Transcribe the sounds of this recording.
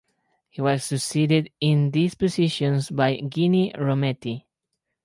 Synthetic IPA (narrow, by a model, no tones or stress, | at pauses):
hiwʌsːɨksidɪdɪ̃nd̪ispɨsiʃɔ̃nsbajɡiniɹomɛt̪i